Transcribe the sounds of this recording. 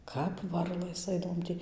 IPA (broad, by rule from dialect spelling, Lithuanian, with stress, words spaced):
ˈkɐp ˈʋɐrlˠɘs ˈɐɪdɐʋoːm ˈtʲiː